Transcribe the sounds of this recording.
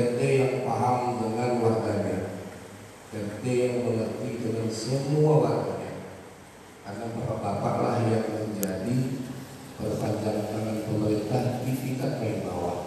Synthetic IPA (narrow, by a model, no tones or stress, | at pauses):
kərt̪ejaŋpaɦamdəŋanwarɡaɲa | kərt̪ejaŋməŋərt̪idəŋansəmuawarɡaɲa̰ | karnabərabapa̰ʔlahjaŋməɲd͡ʒadi | pərpaɲd͡ʒak̪aŋapəməɾint̪ahdifikat̪̚maiba̰wa̰h